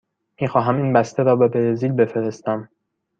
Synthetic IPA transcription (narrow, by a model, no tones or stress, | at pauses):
miːxɒːɦæmiːnbæst̪ʰeɾɒːbebeɾeziːlbe̞feɾe̞st̪æm